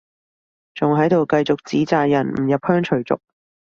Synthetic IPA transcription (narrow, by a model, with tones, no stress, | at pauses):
t͡sʊ˨ŋɦɐ˨˥jt̪o˨wkɐ˧jt͡sʊ˨k̚t͡siː˨˥t͡saː˨jjɐ˨˩nm̩˨˩jɐ˨p̚hœː˥ŋt͡ʃʰɵ˨˩ɥt͡sʊ̰˨k̚